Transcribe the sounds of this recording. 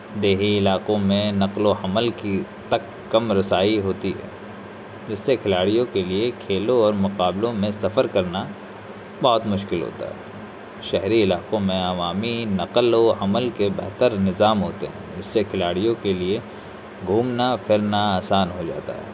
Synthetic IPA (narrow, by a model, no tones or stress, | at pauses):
d̪eːɦiɪlaːqõmẽnɐqloɐməlkit̪ɐkːɐmɾɐsaːiɦoːt̪iɦɛ̰ː | d͡ʒɪsːekʰɪlaːɽijõkeliekʰeːlõɔːɾmʊqaːblõmẽsɐfəɾkɐɾna | bɔɦʊt̪mʊʃkɪlɦo̰ːt̪a̰ɦɛ | ʃɛɦɾiɪlaːqõmẽɐʋaːminɐqloɐməlkebɛɦt̪əɾnɪzaːmɦoːt̪eɦɛ̰̃ːd͡ʒɪsːekʰɪlaːɽijõkelie | ɡʱuːmnafɪɾnaaːsaːnɦod͡ʒa̰ːt̪a̰ɦɛ̰ː